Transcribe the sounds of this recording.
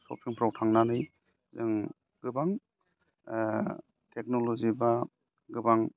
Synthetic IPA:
sɔ̰pʰiŋpʰɾawtʰaŋnanɯj | zɯŋ | ɡ̥ɯbaŋ | tʰek̚nolɔziba | ɡɯbaŋ

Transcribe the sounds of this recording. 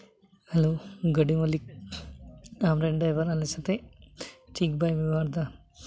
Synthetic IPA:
hɐloːɡɐɖimɐlik̚ | amɾeɳɖɐjʋɐɾɐlisɐt̪e | ʈʰiːkbɐjʋiʋaːɾd̪a

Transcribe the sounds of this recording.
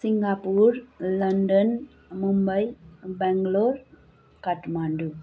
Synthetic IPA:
siŋɡaːpuɾlɐɳɖən | mumbəjbɛŋɡloːɾ | kɐʈmaːɳɖu

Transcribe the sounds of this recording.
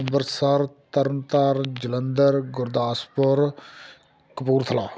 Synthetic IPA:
mbəɾsəɾt̪əɾənt̪aɾd͡ʒələnd̪əɾɡʊɾd̪aːspʊɾ | kəpuːɾt̪ʰəlaː

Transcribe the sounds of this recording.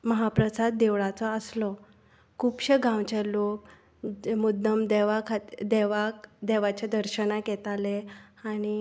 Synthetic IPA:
məɦapɾəsad̪̚d̪eʋɭat͡sɔəslɔ | kʰuːpɕeɡãwt͡ɕelok | mud̪ːəmd̪eʋakʰad̪eʋakd̪eʋat͡ɕad̪əɾɕənakjɛt̪aleaɽ̃i

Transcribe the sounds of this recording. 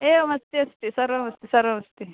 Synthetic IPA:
eːmɐst̪iɐst̪isɐɾomɐst̪isɐɾomɐst̪i

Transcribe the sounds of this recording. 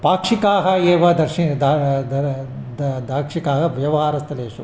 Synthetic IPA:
paːkʂikaːɦɐeːʋɐd̪ɐɾʃid̪ad̪ɐ | d̪d̪ʱaːkʂikaːɦɐʋjɐʋɐɦaːɾɐst̪ɐleːʃu

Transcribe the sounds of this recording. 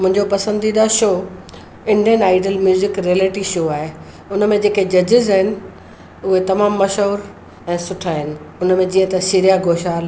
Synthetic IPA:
mʊ̃ɦɪ̃ɲd͡ʑopɐsə̃nd̪iɗ̪aʃoː | ɪ̃ɳɖijənaːɪɖəlmjuːzɪkɾiəleːʈiʃoːaːɦe | ʊnəmẽd͡ʑeːked͡ʑɐd͡ʑɪzaɦɪnɪ̆ | ʊɦet̪ɐmaːmːɐʃoːɾ | ɛ̃ːsʊʈʰaːɦɪnɪ̆ʊnmẽd͡ʑiːə̃t̪ɐʃɪɾijaɡʱoːʃaːl

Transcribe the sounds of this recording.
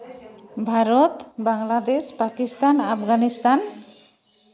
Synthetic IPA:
bʱaɾot̪baŋlad̪espakist̪anapʰɡanist̪an

